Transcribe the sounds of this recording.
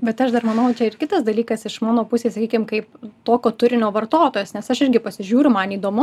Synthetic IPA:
bʲɛt̪ɐʃd̪ɐrmɐnɐʊt͡ʃʲɛɪrkʲɪt̪ɐsd̪ɐlʲiːkɐsɪʃmɑːnoːpʊsʲeːsɐkʲiːkʲɪmkɐɪpt̪oːkʲoːt̪ʊɾʲɪnʲoːʋɐrt̪oːt̪oːjeːsnʲɛsɐʃɪɾʲɡʲɪpɐsʲɪʒʲuːɾʲʊmɐniːd̪oːmʊ

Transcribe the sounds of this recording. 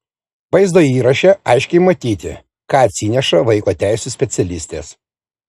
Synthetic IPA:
ʋɐɪzd̪oːiːɾɐʃʲɛɐɪʃʲkʲɛɪmɐt̪ʲiːt̪ʲɪ̰ | kɑːɐt̪ʲsʲinʲɛʃɐʋɐɪkoːt̪ʲæɪsʲusʲpʲɛt̪sʲɛlʲɪsʲt̪ʲeːs

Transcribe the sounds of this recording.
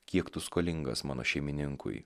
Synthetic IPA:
kʲiɛkt̪ʊskoːlʲɪŋɡɐ̰smɑːno̰ːʃʲɛɪmʲɪnʲɪŋkʊ̰ɪ

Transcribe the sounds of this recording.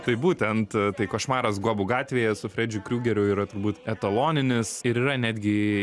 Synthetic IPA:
t̪ɐɪbuːt̪ʲɛnt̪t̪ɐɪkɐʃmɑːɾɐs̬ɡuɔbʊɡɑːt̪ʲʋʲeːjɛsʊfʲɾʲɛːd͡ʒʲʊkɾʲuːɡʲɛɾʲʊiːɾɐt̪ʊɾbuːt̪ɛt̪ɐlˠoːnʲɪnʲɪsɪɾiːɾɐnʲæːd̪ʲɡʲɪ

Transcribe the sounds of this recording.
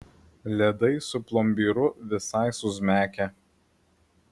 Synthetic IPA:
lʲɛd̪ɐɪsʊplˠɔmʲbʲiːɾʊʋʲɪsɐɪsʊzʲmʲæːkʲɛ

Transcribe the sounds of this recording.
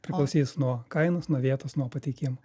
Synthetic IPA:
pʲɾʲɪklˠɐʊsʲiːsnuɔkɐɪnosnuɔʋʲiɛt̪oːsnuɔpɐt̪ʲɛɪkʲɪmo

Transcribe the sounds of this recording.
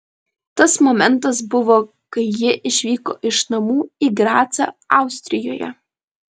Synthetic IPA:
t̪ɐsmɔmʲɛnˑt̪ɐs̬bʊʋo | kɐɪjɪʔɪʃʲʋʲiːko̰ːʔɪʃnɐmuːiɡɾɑːt̪sʲɐ̰ɑˑʊsʲt̪ʲɾʲɪjoːjɛ̰

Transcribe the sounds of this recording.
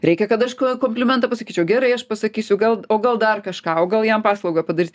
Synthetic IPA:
ɾʲɛɪkʲɛkɐt̪ɐʃkokoːmʲpʲlʲɪmʲɛnt̪ɐpɐsɐkʲiːt͡ʃʲɛʊɡʲæːɾɐɪɐʃpɐsɐkʲiːsʲʊɡɐlˠoːɡɐlˠd̪ɐrkɐʃkɑːoːɡɐlˠjɛmpɑːslˠɐʊɡɐpɐd̪ɐɾʲiːt̪̚ʲ

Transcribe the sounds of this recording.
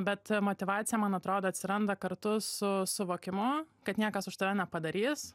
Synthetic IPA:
bʲɛt̪moːt̪ʲɪʋɑːtt͡sʲsʲɪjɛmɐnɐt̪ɾoːd̪oːɐt̪ʲsʲɪɾɐnd̪ɐkɐɾt̪ʊsʊsʊʋoːkʲɪmʊkɐt̪nʲiɛkɐsʊʃt̪ɐʋʲɛnʲɛpɐd̪ɐɾʲiːs

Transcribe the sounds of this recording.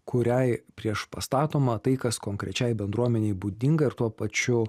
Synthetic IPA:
kʊɾʲɛɪpʲɾʲiɛʃpɐst̪ɑːt̪oːmɐːt̪ɐɪkɐskoːŋkɾʲʔɛt͡ʃʲɛɪbʲɛnd̪ɾuɔmʲɛnʲɛɪbuːd̪ʲɪŋɡɐɪɾt̪uɔpɐt͡ʃʲʊ

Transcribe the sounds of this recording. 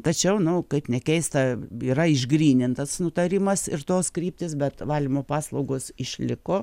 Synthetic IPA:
t̪ɐt͡ʃʲɛʊnʊkɐɪpnʲɛkʲɛɪst̪ɐiːɾɐɪʒɡɾʲiːnʲɪnt̪ɐsnʊt̪ɐɾʲɪmɐsɪrt̪oːskɾʲiːp̚ʲt̪ʲɪsbʲɛt̪ʋɑːlʲɪmoːpɑːslˠɐʊɡoːsɪʃʲlʲɪkoː

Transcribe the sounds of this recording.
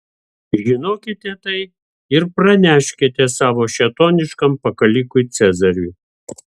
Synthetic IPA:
ʒʲɪnoːkʲɪt̪ʲɛt̪ɐɪ | ɪɾpɾɐnʲæːʃʲkʲet̪ʲɛsɑːʋoːʃʲɛt̪oːnʲɪʃkɐmpɐkɐlʲɪkʊɪt̪sʲæzɐɾʲʊj

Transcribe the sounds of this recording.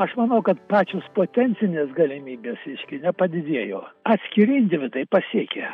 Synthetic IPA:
ɐʃmɐnɐʊkɐt̪pɑːt͡ʃʲoːspoːt̪ʲɛnʲt̪sʲɪnʲeːsɡɐlʲɪmʲiːbʲeːsʲɛɪʃʲkʲɪnʲɛpɐd̪ʲɪd̪ʲiɛjoːɐt̪ʲsʲkʲɪɾʲiːnʲd̪ʲeʋʲɪt̪ɐɪpɐsʲiɛkʲe

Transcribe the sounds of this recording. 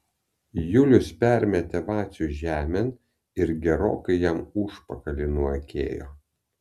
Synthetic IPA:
jʊlʲʊspʲæˑɾʲmʲɛt̪ʲɛʋɑːsʲʊʒʲæːmʲɛn | ɪɾɡʲɛɾo̰ːkɐɪjɛmʊʃpɐkɐlʲɪnʊɐkʲḛːjo̰ː

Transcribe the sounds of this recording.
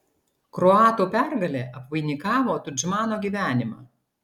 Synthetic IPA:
kɾɔɑːt̪uːpʲæɾɡɐlʲeːʔɐpʋɐɪnʲɪkɑːʋoːt̪ʊd͡ʒmɑːnoːɡʲiːʋʲæːnʲɪmɑ̰ː

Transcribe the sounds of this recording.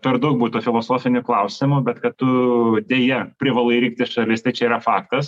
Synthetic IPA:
pʲɛrd̪ok̚buːt̪ʲt̪uːfʲɪlˠoːsoːfʲɪnʲʊklˠɐʊsʲɪmʊbʲɛt̪kɐt̪tːʊd̪ʲeːjɛpʲɾʲɪʋɐlˠɐɪɾʲiːk̚ʲt̪ɪsʃɐlʲɪst̪ɐɪt͡ʃʲɛiɾɐfɑːkt̪ɐs

